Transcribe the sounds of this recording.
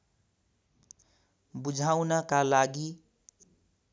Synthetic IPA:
bud͡ʒʱawnʌkalaɡi

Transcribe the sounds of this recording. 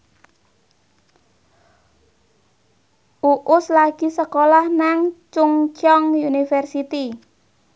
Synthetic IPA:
ʔuʔʊslaɡ̥isəkolahnaŋt͡ʃʊŋt͡ʃɔŋjunifɛrsit̪i

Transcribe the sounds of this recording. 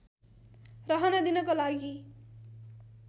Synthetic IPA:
rʌɦʌnʌd̪inʌkolaɡi

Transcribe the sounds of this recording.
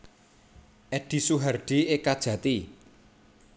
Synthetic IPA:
ʔɛɖ̥i̤suɦarɖ̥i̤ekad̥ʒ̥ä̤t̪i

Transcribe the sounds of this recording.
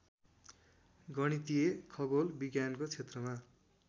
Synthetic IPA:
ɡʌɽ̃it̪ijekʰʌbolbiɡjankot͡sʰet̪rʌma

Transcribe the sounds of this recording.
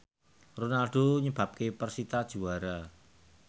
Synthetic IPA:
ronalɖ̥oɲəb̥a̤p̚kepərsit̪ad̥ʒ̥uaɾa

